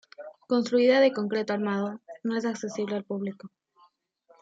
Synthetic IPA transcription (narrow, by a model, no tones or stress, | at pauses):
konst̪ɾuiðaðeko̞ŋkɾe̞t̪oaɾmað̞onoe̞s̬akse̞siβlealpuβliko